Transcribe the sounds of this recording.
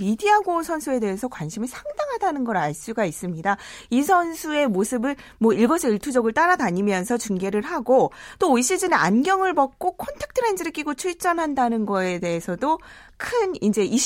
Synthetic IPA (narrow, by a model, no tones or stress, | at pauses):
midiaɡosʰʌnsʰue̞de̞ɦesʰʌkwanɕʰimisʰaŋdaŋɦadanɯnɡʌɾaɭs͈uɡais͈ɯmɲidaisʰʌnsʰue̞mosʰɯbɯɭmwʌiɭɡʌsʰʌiɭtʰud͡ʑʌɡɯɭt͈aɾadaɲimjʌnsʰʌt͡ɕuŋɡe̞ɾɯɭɦaɡot͈oːiɕ͈id͡ʑɯnea̰nɡjʌŋɯɭbʌk̚k͈okʰʌntʰek̚tʰɯɾe̞nd͡ʑɯɾɯk͈iɡot͡ɕʰuɭt͡ɕ͈ʌnɦandanɯnɡʌe̞de̞esʰʌdo | kʰɯnind͡ʑe̞i